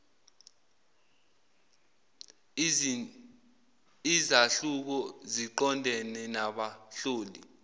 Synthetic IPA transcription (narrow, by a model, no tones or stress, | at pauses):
izaɬuk̬ɔziǃɔndʱɛnɛnaɓaɬoːlḭ